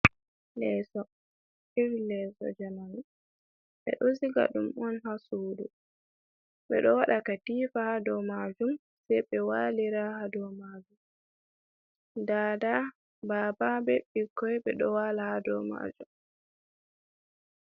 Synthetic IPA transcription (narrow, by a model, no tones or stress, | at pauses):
lɛsɔ | iɾlɛsɔ̰d͡ʒanani | ɓɛ̰ɗosiɡa̰ɗumɔnhasuːdṵ | ɓɛɗɔwaɗakatiːfahadɔmad͡ʒum | sɛjɓɛwaːliɾahadɔmad͡ʒum | daːda | baːbabɛɓikːɔjɓɛɗɔwalahadɔ̰ma̰d͡ʒum